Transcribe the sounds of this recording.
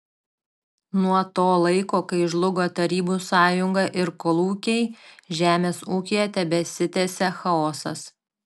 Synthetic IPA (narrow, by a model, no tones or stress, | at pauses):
nuɔt̪oːlˠɐɪkoːkɐɪʒlˠʊɡoːt̪ɐɾʲiːbuːsɑːjʊŋɡɑʔɪɾkɔlˠuːkʲɛɪʒʲæːmʲeːsuːkʲijɛt̪ʲɛbʲɛsʲɪt̪ʲɛːsʲɛxɐɔːsɐ̰s